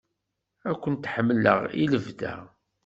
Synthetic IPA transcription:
ækʷːənt̪ħəmːlə̰ʁiləvd̪æ̰

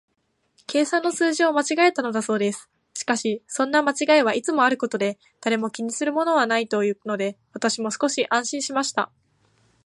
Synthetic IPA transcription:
kʰe̞ːsãnːo̞sɨːʑio̞mat͡ɕiɡae̞t̪ano̞d̪aso̞ːd̪e̞sɨ̥ | ɕi̥kaɕisõ̞nːamat͡ɕiɡaeβaʔit͡sɨmo̞aɾɯ̟ko̞t̪o̞d̪e̞ | d̪̥aɾe̞mo̞kʲiɲ̟isɨɾɯ̟mo̞no̞β̞anait̪o̞jɯ̟ːno̞d̪e̞βat̪aɕimo̞sɨ̥ko̞ɕiʔãɰ̃ɕĩɰ̃ɕimaɕi̥t̪a̰

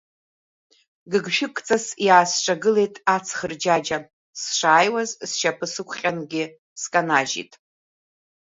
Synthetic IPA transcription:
ɡɨɡʃᶣɪkʷʼt͡sʼasjaːsʈ͡ʂʷʼaɡɨle̞jtʼat͡sʰχərd͡ʒad͡ʒa | sʂaːjwazsʃapʰɨsɨkʷʰχʲʼanɡʲɪ | skʼanaʒḭtʼ

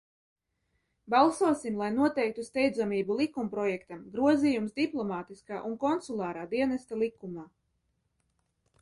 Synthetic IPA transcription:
bɑlˠsuɔsimlˠajnuɔt̪ɛjk̚t̪ust̪ɛjd̪zamiːbulˠikːumpɾɔjɛkt̪amɡɾuɔziːjumsd̪iplˠɔmaːt̪iskaːʔunkɔnsulˠɑːɾaːd̪iɛnast̪alˠikumaː

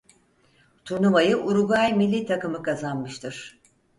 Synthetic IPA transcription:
t̪ʰuɾnumajɯʔuɾuɡajmilʲːit̪ʰakɯmɯkʰazanmɯʃt̪ʰɯɾ̥

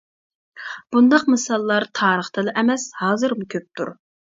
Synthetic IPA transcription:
b̥und̪ɑqmɨsɑlˠːɑɾt̪ʰɑːɾəχt̪ʰɨlɨʔɛmɛshɑːzɨɾmukʲʰøp̚t̪ʰṵɾ

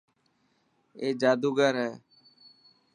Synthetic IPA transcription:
eːd͡ʒaːd̪uːɡəɾɦɛː

